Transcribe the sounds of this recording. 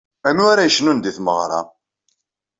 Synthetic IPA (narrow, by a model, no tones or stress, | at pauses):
æmiaɾæjəʃnund̪iθmə̰ʁɾˤɑ̰